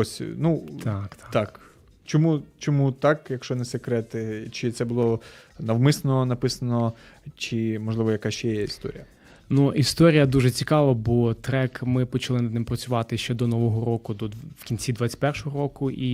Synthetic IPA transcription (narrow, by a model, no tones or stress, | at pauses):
ɔsʲnut̪ʰɑkt̪t̪ɑk | t͡ʃɔmut͡ʃɔmut̪ɑkjɐkʃt͡ʃɔnɛsekɾɛt̪ɪt͡ʃɪt̪sɛbʊlˠɔnɐwmɪsɐnɔnɐpɪsɐnɔ | t͡ʃɪmɔʒlˠɪʋɔjɐkat͡ʃɛjɛist̪ɔ̰ɾʲijɐ | nuʔist̪ɔɾʲijɐd̪uʒɛt͡sʲikɑʋɐbɔt̪ɾɛkmɪpɔt͡ʃɐlˠɪnɐd̪nɪmpɾɐt͡sʲʊʋɑt̪ɪʃt͡ʃɛd̪ɔnɔʋɔɦɔɾɔkʊd̪ɔwkʲinʲt͡sʲid̪ʋɑt͡sʲɐ̥t̚ʲpɛrʃɔɦɔɾɔkʊʔi